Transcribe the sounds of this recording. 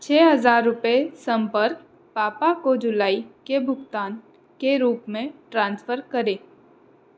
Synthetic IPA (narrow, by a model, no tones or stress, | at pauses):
t͡ʃʰɛːɦɐzaːɾːʊpesɐ̃mpəɾk | paːpakod͡ʒʊlaːikebʱʊɡt̪aːn | keɾuːpmẽʈɾãːnsfʰəɾkɐɾẽː